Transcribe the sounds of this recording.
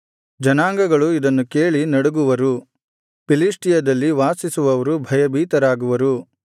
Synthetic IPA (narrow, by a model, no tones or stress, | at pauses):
d͡ʒɐnaːŋɡɐɡɐɭuid̪ɐnːuke̞ːɭinɐɽuɡuʋɐɾu | piliʂʈijɐd̪ɐlːiʋaːsisuʋɐʋɐɾubʱɐjɐbiːt̪ɐɾaːɡuʋɐɾu